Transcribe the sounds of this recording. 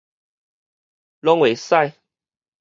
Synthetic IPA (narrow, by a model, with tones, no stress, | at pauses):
lɔ˦ŋwe˨˩sa˥˧j